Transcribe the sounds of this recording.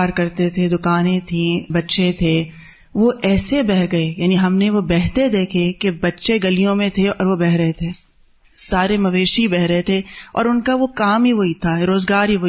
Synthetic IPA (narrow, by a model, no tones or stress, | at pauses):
ɾkɐɾt̪et̪ʰed̪ʊkaːnẽt̪ʰĩbɐtːʃet̪ʰe | ʋoʔɛːsebɛɦɡɐejaːniɦɐmneʋobɛɦt̪ed̪eːkʰekebɐtːʃeɡɐlijõmẽt̪ʰeɔ̰ːɾʋobɛɦɾɐɦet̪ʰeː | saːɾemɐʋeːʃiibɛɦɾɐɦet̪ʰeɔ̰ːɾʊnkaʋokaːmɦiʋoːit̪ʰaɾoːzɡaːɾɦiʋo